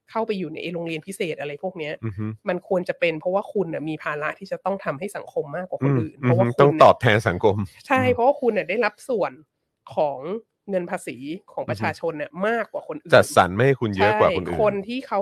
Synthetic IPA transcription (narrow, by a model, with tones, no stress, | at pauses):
kʰa˥˩wpa˧jːuː˨˩na̰˧jʔɾoː˧ŋɾi˧ənpʰi˦˥seː˨˩t̪̚ʔa˧ɾa˧jpʰu˥˩ək̚ni˦˥ɐ˧˥ma˧nkʰu˧ənt͡ɕa˨˩pe˧npʰɾɔ˦˥waː˥˩kʰu˧nːa˨˩miː˧pʰaː˧la˦˥ʔt̪ʰiː˥˩t͡ɕa˨˩t̪ɔ˥˩ŋt̪ʰa˧mɦa˥˩jsa˩˦ŋkʰo˧mːaː˥˩kːwaː˨˩ʔʰnʔɯː˨˩npʰɔ˦˥waː˦˥˩k̪ʰɔ˥˩ŋ˧ɔː˨˩p̚t̪ʰɛː˧nsa˩˦ŋkʰo˧mt͡ɕʰa˥˩jpʰɾɔ˦waː˥˩kʰu˧nːa˨˩da˥˩jɾa˦˥p̚su˨˩ən | kʰɔː˩˦ŋː | ŋɤ˧npʰaː˧siː˩˦kʰɔː˩˦ŋppɾa˧t͡ɕʰaː˧t͡ɕʰo˧nːʔa˨˩maː˥˩kːwaː˨˩kʰo˧nʔːt͡ɕa˨˩t̪̚sa̰˩˦nma˥˩ha˥˩jkʰu˧nt͡ɕjɤ˦a˦˥kwaː˨˩jo˧nʔːʰo˧nt̪ʰiː˥˩kʰa˦˥w